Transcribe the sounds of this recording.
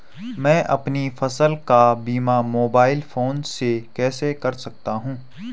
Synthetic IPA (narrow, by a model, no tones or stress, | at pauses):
mɛ̃ːʔɐpnifɐsəlkabiːmamoːbaːɪlfoːnsekɛːsekɐɾsɐk̚t̪aɦũː